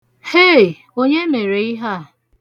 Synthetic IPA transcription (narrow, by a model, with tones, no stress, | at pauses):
he˦˨ | o˦ɲe˦me˨ɾe˨i˦ɦa˦˨